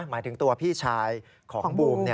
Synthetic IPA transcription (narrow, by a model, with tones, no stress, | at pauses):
maː˩˦jt̪ʰɯ˩˦ŋt̪u˧ɐpʰiː˥˩t͡ɕʰaː˧j | kʰɔː˨˩˨ŋbuː˧mni˥˩